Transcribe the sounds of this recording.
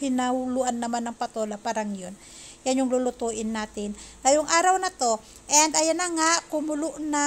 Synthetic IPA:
hɪnahʊluʔanːɐmanːɐŋpɐt̪olapaːɾɐŋjon | janjʊŋlʊlʊt̪uːʔɪnːaːt̪ɪnd̪ɐjʊŋʔaːɾɐwnɐt̪o̞ | ʔɛnd̪ɐjanɐŋaʔkʊmʊlʊʔna

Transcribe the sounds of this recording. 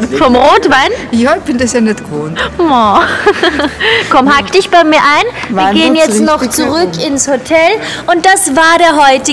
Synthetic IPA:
fɔmʁoːtv̥aɪnjaɪçb̥ɪndɐsjanɛtɡ̥əvoːnmɔ | kʰɔmhaktɪçb̥aɪmiːɐʔaɪnviɐɐɡeːənjɛt͡stnɔχt͡suʁʏkɪnshotʰɛl | ʔʊnt̚d̥asvaːɐɾeːɐɦɔʏtɪ

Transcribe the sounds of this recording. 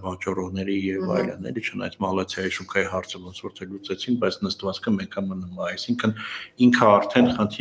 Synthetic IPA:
vɑt͡ʃɑrɔʁnɛɾijɛvɑ̰jlə̰nɛ̰lit͡ʃʰənɑ̰jt͡sʰmɑlɑt͡sʰjɑjiʃuŋkʰɑjiɦɑɾt͡sʰəvɔnt͡sʰvɔɾt̪ʰɛlut͡sɛt͡sʰink̚bɑjt͡sʰnəst̪vɑt͡skʰəmɛkʰəmənuməɑjsiŋkʰəniŋkʰəɑɾt̪ʰɛnχənt̪ʰi

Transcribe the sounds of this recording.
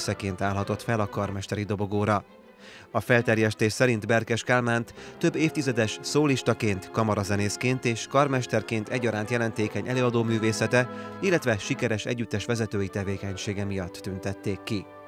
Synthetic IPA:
sɛkeːnt̪aːlɦɒt̪o̞t̪fɛlɒkɒrmɛʃt̪ɛɾid̪o̞bo̞ɡoːɾɒ | ɒfɛlt̪ɛrjɛʃt̪eːʃsɛɾind̪bɛrkɛʃkaːlmaːnt̪t̪ø̞bːeːft̪izɛd̪ɛʃsoːliʃt̪ɒkeːnt̪kɒmɒɾɒzɛneːskeːnt̪eːʃkɒrmɛʃt̪ɛrkeːnt̪ɛɟːɒɾaːnt̪jɛlɛnt̪eːkɛɲʔɛløːɒd̪oːmyːveːsɛt̪ɛilːɛt̪ʋɛʃikɛɾɛʃɛ̰ɟːyt̪ːɛʃʋɛzɛt̪øːjit̪ɛveːkɛɲʃeːɡɛmijɒt̪ːynt̪ɛt̪ːeːkːi

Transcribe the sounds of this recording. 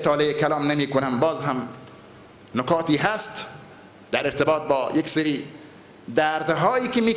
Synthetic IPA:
et̪ʰɒːleekʰælɒːmnemiːkonæmbɒːzɦæm | nokɒːt̪iːɦæst̪ | d̪æɾeɾt̪ʰebɒːt̪̚bɒːjekseɾiː | d̪æːɾd̪ɦɒːjiːkemiː

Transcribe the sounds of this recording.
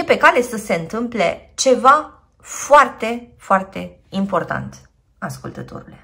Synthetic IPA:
jepe̞kale̞səse̞ɨnt̪ɨmple̞t͡ʃe̞va | foart̪e̞foart̪e̞ | impo̞rt̪a̰nt̪ | askult̪ət̪o̞̰ɾule

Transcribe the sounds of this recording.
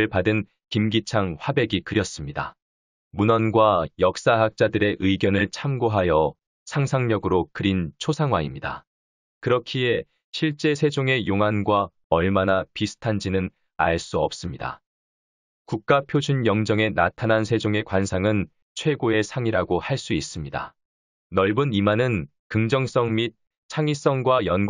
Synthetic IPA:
ɭpadɯn | kimɡit͡ɕʰaŋɸwabe̞ɡikɯɾjʌs͈ɯmɲida̰ | munʌnɡwajʌk̚s͈aɦak̚t͡ɕ͈adɯɾe̞ʔɯiɡjʌnɯɭt͡ɕʰamɡoɦajʌ | sʰaŋsʰaŋɲʌɡɯɾokɯɾint͡ɕʰosʰaŋwaimɲida̰ | kɯɾʌkʰie̞ | ɕʰiɭt͡ɕ͈e̞sʰe̞d͡ʑoŋe̞joŋɦanɡwa | ʌɭmanapisʰɯ̥tʰand͡ʑinɯn | a̰ɭs͈uʌp̚s͈ɯmɲida̰ | kuk̚k͈apʰjod͡ʑunjʌŋd͡ʑʌŋe̞na̰tʰanansʰe̞d͡ʑoŋe̞kwansʰaŋɯn | t͡ɕʰwe̞ɡoe̞sʰaŋiɾaɡohaɭs͈uis͈ɯmɲida̰ | nʌɭbunimanɯn | kɯŋd͡ʑʌŋs͈ʌŋmit̚ | t͡ɕʰaŋis͈ʌŋɡwajʌnɡ

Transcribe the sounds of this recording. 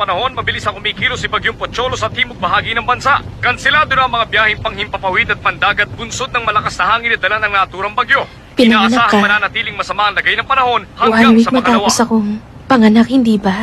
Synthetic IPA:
pɐnɐho̞nmɐbɪlisɐkʊmiːkiːlosɪbɐɡjoŋpot͡ʃo̞losɐt̪hiːmoɡ̚bɐɦaːɡinɐŋbɐnsaʔkɐnsɛlaːd̪ʊnaɐŋmɐŋabjaːhɪŋpɐŋhɪmpɐpɐwid̪ɐt̪̚pɐnd̪aːɡɐt̪̚bʊnsod̪̚nɐŋmɐlɐkasnɐhaːŋɪnɐd̪ɐlanɐŋnɐaːʔɐt̪uːɾɐŋbɐɡjo̞ | pɪnanaaːhkamɐnaːnɐt̪iːlɪŋmɐsɐmaʔɐŋlɐɡajnɐŋpɐnɐho̞nhaawɪsmɐt̪aːwosɐko̞ | pɐŋɐnak̚hɪnd̪iːbɐ

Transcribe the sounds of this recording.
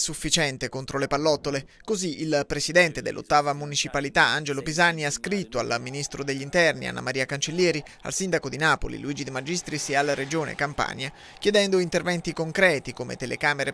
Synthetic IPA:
sufːit͡ʃɛnt̪ekont̪ɾolepalːɔt̪ːole | koziʔilpɾesid̪ɛnt̪ed̪ḛlʔo̰t̪ːaːvamunit͡ʃipalit̪aand͡ʒelopizanːiaskɾit̪ːoa̰lmːinist̪ɾod̪eʎːint̪ɛrnḭa̰nːa̰maɾiːakant͡ʃelːjɛːɾi | a̰lsind̪akod̪inaːpo̰lḭluiːd͡ʒid̪imad͡ʒist̪ɾisalaɾed͡ʒoːnḛkampa̰ɲa | kjed̪ɛnd̪oint̪ervɛnt̪ikoŋkɾɛːt̪ikomḛt̪elḛkaːmeɾe

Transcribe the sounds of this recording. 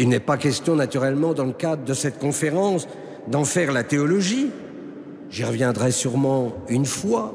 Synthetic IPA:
ilnɛpakʲɛst̪jɔ̃nat̪yʁɛlmɑ̃d̪ɑ̃ləkad̪ʁəd̪əsɛt̪kɔ̃feʁɑ̃s | d̪ɑ̃fɛʁlat̪eɔlɔʒi | ʒiʁəvjɛ̃d̪ʁɛsyʁmɑ̃ynfwa

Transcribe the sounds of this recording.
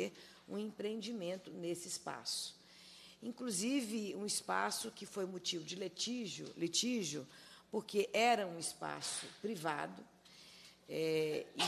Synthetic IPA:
eɾ | ṵ̃ẽpɾeẽnd͡ʒimẽnt̪ʊnesɪɪspa̰sʊ̥ | ĩkluzivɪũispa̰sʊkɪfojmot͡ʃivʊd͡ʒɪlet͡ʃiʒʊ̰let͡ʃiʒʊpoɾkeʔɛɾɐũispa̰sʊpɾiva̰d̪ʊ | ɛ

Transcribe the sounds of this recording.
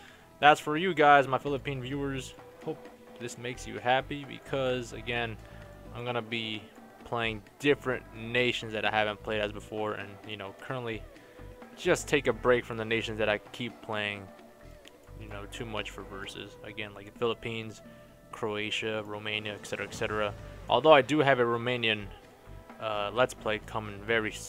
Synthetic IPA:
ðætsfə˞jɨɡaɪzmaɪfɪlˠəpʰĩnvjʉə˞z̥ | hoʊp̚ | ðɪsmeɪksjɨ̰hæpibɨ̰kʰʌzɨɡɛ̃n | ãɪ̃mɡʌnɨbi | pʰl̥eɪɪ̃ŋd̥ɪfɹɨ̃nneɪʃɨ̃n̩zðɨɾaɪhævɨ̃npʰl̥eɪɾɨzbəfɔɹɨ̰̃njɨnoʊkʰɜ˞ə̃nʔli̥ | d͡ʒ̥ʌstʰeɪkɨbɹeɪkfɹʌ̃mðɨneɪʃɨ̃n̩zðɨɾaɪkʰipʰl̥eɪɪ̃ŋ | jɨnoʊtʰʉmʌt͡ʃfə˞vɜ˞sɨ̰z̥ɨɡɛ̃nlaɪkfɪlˠəpʰĩnz̥ | kʰɹ̥oʊeɪʃɨɹoʊmẽɪ̃njɨɨksɛɾə˞ɨɨksɛɾə˞əʔɔ̰lˠðoʊaɪdɨɨvɨɹoʊmẽɪ̃njɨ̃n | ʌlətspʰl̥eɪkʰʌ̃mɪ̃ŋvɛɹi

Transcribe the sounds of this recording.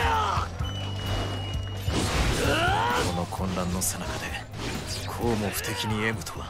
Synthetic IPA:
kʰo̞no̞kʰõ̞nɾãnːo̞senakad̪e̞ | kʰoːmo̞ɸɯ̟̥t̪e̞kʲiɲ̟ie̞mɯ̟t̪ʰoa

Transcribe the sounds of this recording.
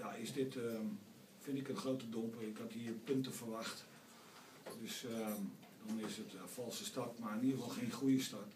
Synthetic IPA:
jaɪsdɪt | fɪntɪkənxrowtədɔmpərɪkhathiərpøntəfərʋaxt | døs | dɔnɪsətfɔlˠsəstɑtmarəniəlˠfɔlˠxeːnxujəstɑt

